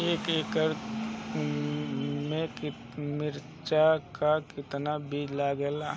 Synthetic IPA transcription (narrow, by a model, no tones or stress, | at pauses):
eːkekəɾ | mẽkɪ | mɪɾ | t͡ʃakakɪt̪nabid͡ʒlaɡɛla